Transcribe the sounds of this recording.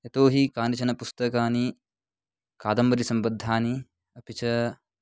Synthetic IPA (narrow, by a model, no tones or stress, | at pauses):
ɐt̪oːɦikaːnit͡ʃɐnɐpust̪ɐkaːni | kaːd̪ɐmbɐɾisɐmbɐd̪ʱːaːni | ɐpit͡ʃɐ